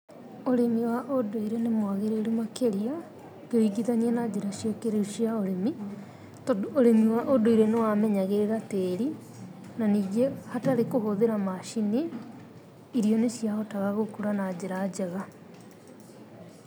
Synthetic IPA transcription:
oɾemiwaʔodoiɾenemwaɣeɾeɾumakeɾia | keiɡiðaniɛnad͡ʑeɾaʃjɔkeɾeuʃiaoɾemi | tːɾemiwaʔodoiɾenewamɛɲaɣeɾeɾateːɾi | naniːɣehataɾekoɦoðeɾamaʃine | iɾiɔnesjahɔtaɣaɣokuɾanad͡ʑeɾad͡ʑeɣa

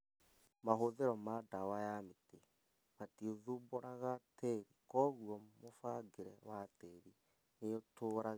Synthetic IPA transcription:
maɦoðeɾɔmadawajamete | matioðuboɾaɣatɛɾikɔɣuɔmofaɡeɾɛwatɛɾi | neotoːɾa

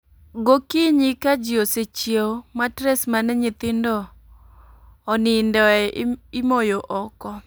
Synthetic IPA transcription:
ɡokiɲikad͡ʒioset͡ʃjematɾɛsmanɛɲɪt̪ɪndɔ | nɪndɔɛɪmojoʔɔkɔ

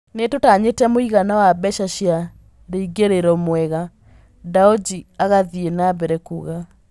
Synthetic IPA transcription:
netotaɲetɛmoiɣanawabɛʃaɕja | ɾeiɡeɾeɾɔmwɛɣa | daod͡ʒiaɣaðienabɛɾɛkṵɣa

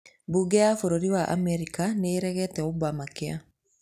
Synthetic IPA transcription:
buɡɛafoɾoɾiwaʔa̰mɛɾikaneːɾɛɣɛtɛobamakea̰

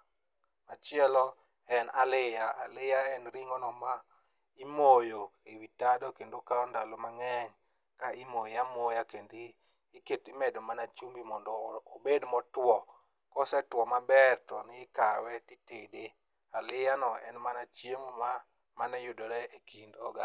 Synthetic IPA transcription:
mat͡ʃɪɛlɔ | ɛnalɪjaalɪjaɛnɾiŋɔnɔma | imojoewitadokendokaɔndalomaŋɛɲ | kaʔimojjamojakendiː | ketɪmɛdomanat͡ʃumbimɔndɔːbedmɔtwɔ | kɔsɛtwɔmabɛrtɔnɪɪkawɛtitede | alɪjanɔɛ̰nmanat͡ʃjemma | manɛjodoɾɛʔekindɔ̰ɡa

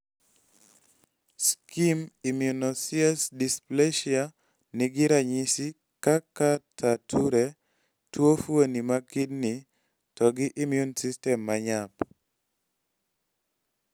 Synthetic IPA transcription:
skimimjunosiasdispleʃia | nɪɡɪɾaɲisi | kakatʰatʰuɾe | twofwonimakidni | tɔɡɪʔimjunsistɛmːaɲap

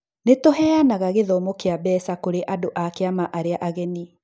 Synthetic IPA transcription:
netoɦɛanaɣaɣeðɔmokeabɛsakoɾeʔadoʔakeamaʔaɾeaʔaɣɛni

